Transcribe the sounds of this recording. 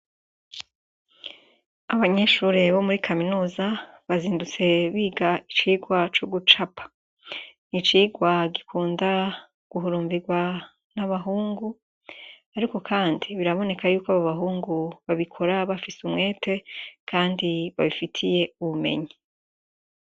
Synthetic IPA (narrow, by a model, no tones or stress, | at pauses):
aβaɲe̞ʃuːɾeβo̞muɾikʰaminuːza | βaziːndut͡se̞βiːɡait͡ʃiːɡwat͡ʃoɡut͡ʃapʰḁ | nit͡ʃiːɡwaɡikʰuːnda | ɡ̥uɦuɾuːɱviɡwa | naβaɦuːŋɡu | aɾiko̞kʰaːndiβiɾaβo̞ne̞kʰajuːkwaβaβaɦuːŋɡuβaβikʰo̞ɾaβafisumŋe̞ːtʰe̞kʰaːndiβaβifitʰije̞uβume̞̰ɲi